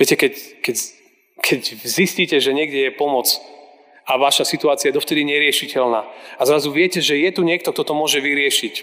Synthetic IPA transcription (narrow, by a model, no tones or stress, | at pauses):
ʋjɛcɛkɛckɛɟ | kʰɛɟzisciːcɛʒɛɲɪɛɡdɛjɛpɔmɔt͡s | aʋaʃasit̪uaːt͡siajd̪ɔft̪ɛd̪iɲɛɾɪɛʃicɛlnaːazɾazuʋɪɛcɛʒɛjɛt̪uɲɪɛk̚t̪ɔkt̪ɔt̪ɔmʊɔʒɛʋiɾɪɛʃic